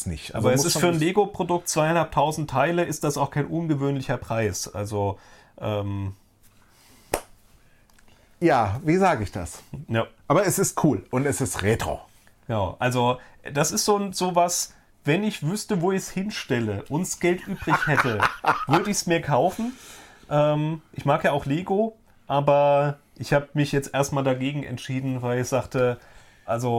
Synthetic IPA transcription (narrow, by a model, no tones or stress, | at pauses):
snɪ̰çtʔa̰ːbɐɛssɪstfyːɐnleːɡopʁ̥odʊk̚tt͡sv̥aɪanhalp̚tʰːaʊzn̩tʰːaɪləɪst̚d̥asaʊxkʰaɪnʔʊnɡəvøːnlɪçɐpʁ̥aɪsʔa̰lzo | ʔɛːm | jaːviːzaːɡəɪçd̥a̰sjaʔaːbɐɛsɪstkʰuːlʔʊntɛsɪstʁeːtʁ̥o̰ː | ɡ̥ənaʊʔalzod̥asɪstz̥oːnz̥oːvas | vɛnɪçv̥ʏstəvoːɪçshɪnʃtɛləʔʊntsɡ̥ɛltʔyːbʁɪçhɛtəv̥ʏɐdəɪçsmiːɐkʰaʊfn̩ | ʔɛːmʔɪçmaːkjaːaʊxleːɡo | ʔaːbɐ | ʔɪçhaːbəmɪçjɛt͡stʔḛːɐstmaːldaɡeːɡŋ̩ɛ̰ntʃiːdn̩vaɪlɪçz̥aːχtə | ʔalzo